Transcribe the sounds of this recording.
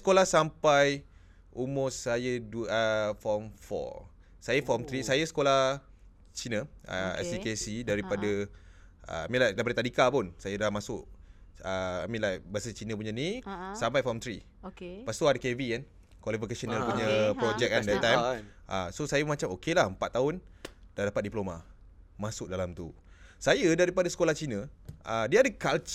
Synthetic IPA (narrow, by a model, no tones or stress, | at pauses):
sə̥kolahsampaj | omʊsajəduəfɔmfɔ̰ | sajəfɔmt̪ɾisajəsə̥kolah | t͡ʃinəə̰ɛ̰sikesidaɾipada | ə̰a̰mĩnlajdaɾipadət̪adikapʊnsajadamasʊʔəamĩlajbəasət͡ʃinə̃p̬uɲanisampajfɔmt̪ɾi | kpast̪uadakevikan | kwalifikasənəlpuɲəpɾɔd͡ʒɛk̚andɛt̪ajʔasosajəmat͡ʃamokelahəmpat̪ːaʊnd̥ahdapat̪̚diploma | mãsʊk̚dalamt̪ṵ | sajədaɾipadasə̥kolaht͡ʃinə̃ʔdiaadəkalt͡ʃ